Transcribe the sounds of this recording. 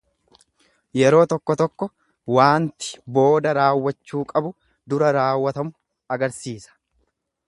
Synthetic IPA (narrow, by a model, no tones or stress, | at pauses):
jɛɾo̞ːt̪ɔkːɔt̪ɔkːɔ | waːnt̪ɪ̥bo̞ːd̪ɐɾaːwːɐt͡ʃːuːkʼɐbʊ | d̪ʊɾɐɾaːwːɐt̪ɐmʊ | ɐɡɐɾsiːsɐ̥